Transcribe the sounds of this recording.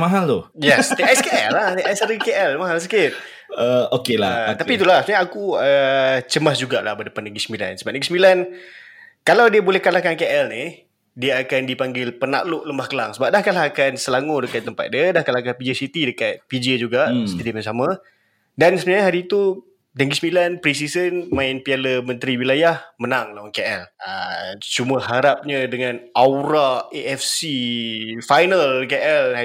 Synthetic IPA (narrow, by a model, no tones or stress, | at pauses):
maɦalt̪ujɛst̪iajskeɛlaht̪iʔajsaɾəkeʔɛlmaɦals̬əkɪt̪ | əokela̰t̪apit̪̬ulahsəbənaɲaakuət͡ʃəmasd͡ʒuɡala̰hbadəpanːəɡɾisəmbila̰nsəbap̚nəɡisəmbilan | kalawdiəbolɛhkalakankeʔɛlnih | diəakandipaŋɡɪlpəna̰ʔlʊʔləmbahkəlaŋsəbap̚dahkalaɦakansəlaŋudəkat̪t̪ːəmpa̰t̪̚diədahkalakanpid͡ʒəsit̪idəkat̪̚pid͡ʒəd͡ʒuɡaʔsət̪ədimansamã | dansəniɲaɦaɾiːt̪u | dɛŋɡisəmilanpɾisisənmãɪnpialəmə̃nt̪ɾiwilajahmənaŋlawankeʔɛlət͡ʃuməhaɾap̚ɲadəŋãnʔawɾaeʔɛfsi | fajnəlkeʔɛl